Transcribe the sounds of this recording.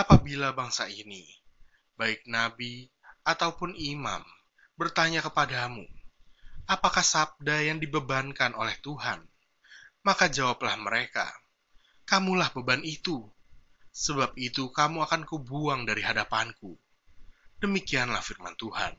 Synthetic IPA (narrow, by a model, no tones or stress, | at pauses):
apabilabaŋsaini | baɪk̚nabi | at̪awpʊnima̰m | bərt̪aɲakəpadamu | apakahsab̚dajaŋdibəbankanolɛht̪uɦan | makad͡ʒawaplahməɾeka̰ | kamulahbəbanit̪u | səbap̚it̪ukamuakankubuaŋdaɾiɦadapanku | dəmikianlahfirma̰nt̪uha̰n